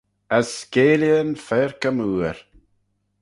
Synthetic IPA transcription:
əskeːljənfɛɹkəmuːɹ

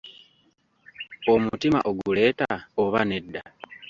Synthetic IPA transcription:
o̞mutima̰ʔoɡule̞ːtaoβane̞dːa

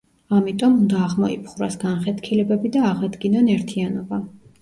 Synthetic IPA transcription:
amit̪ʼɔmund̪aːʁmɔḭpʰχɾa̰sɡanχɛt̪ʰkʰilɛbɛbid̪aːʁad̪ɡinɔnɛɾt̪ʰianɔba

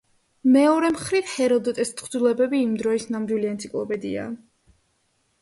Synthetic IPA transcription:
mɛɔɾɛmχɾivhɛɾɔd̪ɔt̪ʼɛst̪χd̪ilɛbɛbiːmd̪ɾɔisnamd̪wiliɛnt̪sʰikʼlˠɔpʼɛd̪ḭa̰

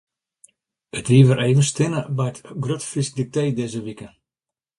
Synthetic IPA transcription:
ətʋiəʋəɾʔeːvənstɪnəbɛjətɡrøtfisk̚dik̚teːdeːzəʋikə

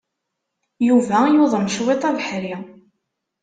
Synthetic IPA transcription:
juvæjoðˤəmʃwet̪ˤæðħɾi

